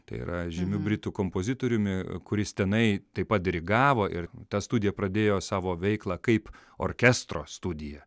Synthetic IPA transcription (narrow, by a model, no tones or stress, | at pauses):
t̪ɐ̰ɪḭɾɐʒʲɪmʲʊbʲɾʲɪt̪uːkoːmpoːzʲɪt̪oːɾʲʊmʲɪkʊɾʲɪst̪ʲɛnɐɪt̪ɐɪpɐt̪̚d̪ʲɾʲɪɡɑːʋoːʔɪɾt̪ɐst̪ud̪ʲɪjɛpɾɐd̪ʲeːjoːsɑːʋoːʋʲɛɪklˠɑːkɐɪp | o̰ːɾʲkʲɛst̪ɾo̰ːst̪ud̪ʲɪjɛ